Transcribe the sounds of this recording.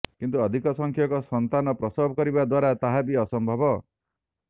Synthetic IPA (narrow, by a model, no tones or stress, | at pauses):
kint̪uɔd̪ʱikɔsɔŋkʰjɔkɔsɔnt̪anɔpɾɔsɔbʱɔkɔɾibad̪waɾat̪aɦabiɔsɔmbʱɔbɔ